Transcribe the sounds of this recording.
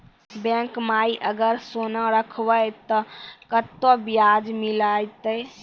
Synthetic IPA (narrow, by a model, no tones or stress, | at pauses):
bẽːŋkmaːiʔəɡəɾsoːnaɾəkʰwəet̪ɔkət̪objaːd͡ʒmɪlaːit̪e